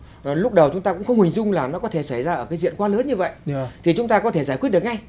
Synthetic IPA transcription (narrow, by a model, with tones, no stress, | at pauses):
lʊ˦˥k͡p̚ɗə˨˩wt͡ɕʊ˨˦ŋ͡mt̪aː˧kʊ̰˧˥ŋ͡mxə˧wŋ͡mhï˨˩ŋ̟zʊ˧ŋ͡mlaː˨˩nɔ˨˦kɔ˨˦t̪ʰe˧˩sa˧˩jzaː˧ʔəː˧˩kaː˨˦jzḭ˧˨ənkwaː˧ləː˨˦nɲɨ˧və̰˧˨jt̪ʰi˨˩t͡ɕʊ˨˦ŋ͡mt̪aː˧kɔ˨˦t̪ʰe˧˩zaː˧˩ki˦˥t̚ɗək̚ŋa˧j